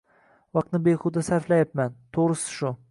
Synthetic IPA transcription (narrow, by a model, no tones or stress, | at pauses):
vɑq̚t̪nɪbeχʊd̪asaɾflajapmant̪ʰoʁɾɪsɪ̥ʃʊ